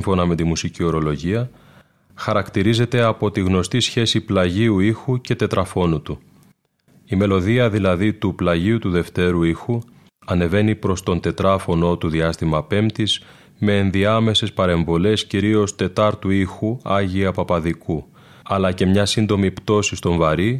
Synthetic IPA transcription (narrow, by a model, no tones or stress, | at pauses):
iɱfo̞nɐme̞t̪imusicio̞ɾo̞lo̞ʝiɐ | xɐɾɐkt̪iɾize̞t̪e̞ɐpo̞t̪iɣno̞st̪isçe̞siplɐʝiuixuce̞t̪e̞t̪ɾɐfo̞nut̪u | ime̞lo̞ðiɐðilɐðit̪uplɐʝiut̪uðe̞ft̪e̞ɾuixu | ɐne̞ve̞nipɾo̞st̪o̞nt̪e̞t̪ɾɐfo̞no̞t̪uðiɐst̪imɐpe̞mt̪iz̥ | me̞ːnðiɐme̞se̞spɐɾe̞ɱvo̞le̞sciɾio̞st̪e̞t̪ɐɾt̪uixuɐʝiɐpɐpɐðiku | ɐlɐce̞mɲɐsind̪o̞mipt̪o̞sist̪o̞ɱvɐɾi